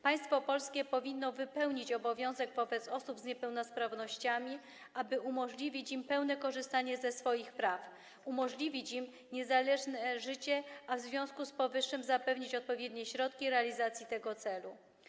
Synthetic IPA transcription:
paj̃st̪fɔpɔlskʲɛpɔvʲinːɔvɘpɛwɲit͡ɕɔbɔvʲjɔ̃w̃zɛɡvɔbɛt̪sɔsubzɲɛpɛwnɔspɾavnɔɕt͡ɕamʲi | abɘʔumɔʐlʲivʲit͡ɕimpɛwnɛkɔʐɘst̪aɲɛzɛsfɔjixpɾaf | umɔʐlʲivʲit͡ɕim | ɲɛzalɛʐnɛʐɘt͡ɕɛavzvʲjɔ̃w̃skuspɔvɘʂːɘmzapɛvɲit͡ɕɔt̪̚pɔvʲjɛd̪ɲɛɕɾɔt̪kʲiɾɛalʲizat̪sʲjit̪ɛɡɔt̪sɛlu

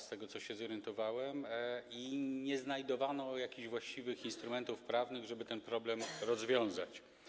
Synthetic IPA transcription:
st̪ɛɡɔt̪sɔɕɛzɔɾjɛnt̪ɔvawɛmiɲɛznajd̪ɔvanɔjakʲiʑvwaɕt͡ɕivɘxinst̪ɾumɛnt̪ufpɾavnɘɣʐɛbɘt̪ɛnpɾɔblɛmɾɔzvʲjɔ̃w̃zat͡ɕ

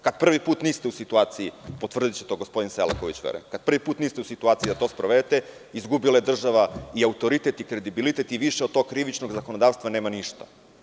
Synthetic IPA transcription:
kad̪̚pr̩ʋipuːt̪niːst̪eusit̪uaːt̪siipo̞t̪ʋr̩d̪it͡ɕet̪o̞ɡospo̞d̪insela̰koʋit͡ɕʋḛɾḛmkad̪̥̚pr̩ʋipuːt̪niːst̪eusit̪uaːt̪sijid̪at̪o̞spɾoʋed̪et̪e̞ | izɡubilaje̞d̪r̩ʒaʋaiaut̪o̞ɾit̪et̪ikɾe̞d̪ibilit̪et̪iʋiʃeod̪̚t̪o̞ɡ̚kɾiʋit͡ʃnoɡzakonod̪aːʋst̪ʋaneːmaniʃt̪ḁ̰

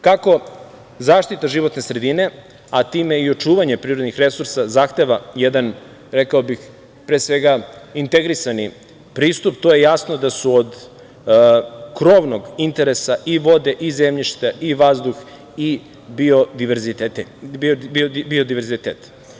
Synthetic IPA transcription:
kako̞ | zaːʃt̪it̪aʒiʋo̞t̪ne̞sɾe̞d̪ine̞ | at̪iːme̞io̞t͡ʃuːʋaɲe̞pɾiːɾod̪nixɾe̞suɾsazaːxt̪e̞ʋajed̪an | ɾekaobix | pɾeːsʋe̞ɡaint̪eɡɾisani | pɾiːst̪upt̪oje̞jasno̞d̪asuod̪ | kɾo̞ʋno̞ɡint̪e̞ɾesaʔiʋo̞d̪e̞ʔizemʎiʃt̪aʔiʋazd̪ux | i | biod̪iɾzi | iobio̞d̪iʋeɾzit̪et̪

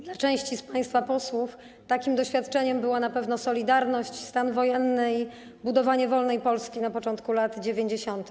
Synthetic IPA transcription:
d̪lat͡ʂɛ̃w̃ɕt͡ɕispaj̃st̪fapɔswuf | t̪akʲimd̪ɔɕfʲjat̪t͡ʂɛɲɛmbɘwanapɛvnɔsɔlʲid̪aɾnɔɕt͡ɕst̪anvɔjɛnːɘi | bud̪ɔvaɲɛvɔlnɛjpɔlskʲinapɔt͡ʂɔnt̪kulat̪d͡ʑevʲjeɲd͡ʑeɕɔnt̪ɘ

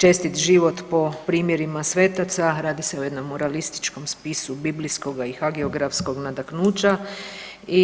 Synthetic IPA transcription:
t͡ʃe̞st̪it̪ʒiʋo̞t̪po̞pɾiːmjeɾimasʋe̞ːt̪at̪saɾaːd̪iseoje̞d̪no̞mːoɾalist̪i̥t͡ʃkomspisubiblisko̞ɡaixaɡeoɡɾafsko̞ɡnad̪aknuːt͡ʃa | i

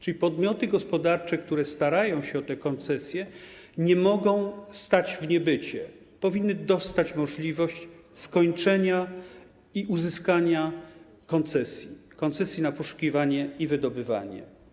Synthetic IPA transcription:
t͡ʂɘlʲipɔd̪mʲjɔt̪ɘɡɔspɔd̪aɾt͡ʂɛkt̪uɾɛst̪aɾajɔ̃w̃ɕɛɔt̪ɛkɔnt̪sɛsʲjɛ | ɲɛmɔɡɔ̃w̃st̪ad͡ʑvɲɛbɘt͡ɕɛ | pɔvʲinːɘd̪ɔst̪at͡ɕmɔʐlʲivɔɕt͡ɕ | skɔɲt͡ʂɛɲa | iʔuzɘskaɲa | kɔnt̪sɛsʲjikɔnt̪sɛsʲjinapɔʂu̥kʲivaɲɛivɘd̪ɔbɘva̰ɲɛ̰

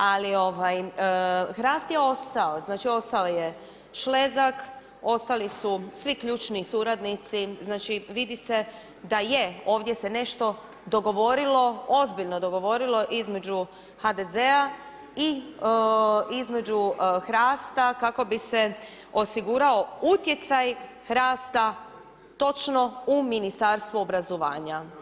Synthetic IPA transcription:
alio̞ʋaj | xɾaːst̪jeo̞st̪aoznaːt͡ʃio̞st̪aloje | ʃle̞zak | o̞st̪alisusʋikʎuːt͡ʃnisuɾad̪nit̪siznaːt͡ʃiʋid̪ise̞ | d̪ajeo̞ːʋd̪je̞se̞ne̞ʃt̪o̞ | d̪o̞ɡo̞ʋo̞ɾilo̞ozbiʎno̞d̪o̞ɡo̞ʋo̞ɾilo̞ʔizme̞d͡ʑu | had̪e̞ze̞a | i | izme̞d͡ʑuxɾaːst̪akako̞bise̞ | o̞siɡuɾao̞ut̪je̞t̪saj | ɾaːst̪a | t̪o̞t͡ʃno̞uminist̪aɾst̪ʋuobɾazoʋa̰ːɲa

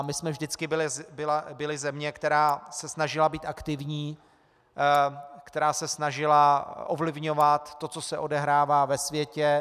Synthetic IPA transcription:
mɪsmɛvʒdɪt͡skɪbɪlɪbɪlabɪlɪzɛmɲɛkt̪ɛɾaːsɛsnaʒɪlabiːt̪ʔakt̪ɪvɲiː | kt̪ɛɾaːsɛsnaʒɪlaʔovlɪvɲo̞vat̪ːo̞t͡so̞sɛʔo̞dɛɦɾaːvaːvɛsvjɛcɛ

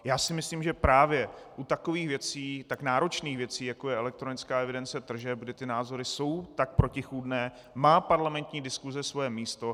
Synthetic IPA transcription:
jaːsɪmɪsliːmʒɛpɾaːvjɛʔut̪ako̞viːxvjɛt͡siːt̪aknaːɾo̞t͡ʃniːxvjɛt͡siːjako̞jɛɛlɛk̚t̪ɾo̞nɪt͡skaːɛvɪdɛnt͡sɛt̪r̩ʒɛb̚ɡdɪt̪ɪnaːzo̞ɾɪso̞wt̪ak̚pɾo̞cɪxuːdnɛː | maːpaɾlamɛnt̪ɲiːdɪskuzɛsvo̞jɛmiːst̪o̞

